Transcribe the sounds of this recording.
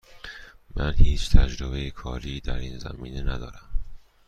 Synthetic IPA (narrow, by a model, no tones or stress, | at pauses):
mʔænhiːt͡ʃʰt̪ʰæd͡ʒɾobejekʰɒːɾiːd̪æɾiːnzæ̰miːnenæd̪ɒːɾæm